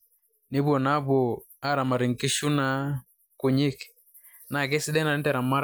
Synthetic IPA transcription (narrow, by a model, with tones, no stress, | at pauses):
ne˦βwɔ˨na˦βwɔ˨ | a˦ɾa˨ma˨ɾi˨ŋ˨ki˦ʃu˦na˨˦ | ku˨ɲi˦k | na˨kɛ˦si˦dɛ˦na˨ne˦tɛ˨ɾa˨ma˦ɾ